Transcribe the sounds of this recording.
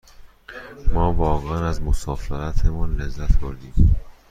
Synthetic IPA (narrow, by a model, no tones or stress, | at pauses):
mɒːvɒːɣænæzmosɒːfeɾæt̪ʰemɒnlezːæt̪ʰboɾd̪iːm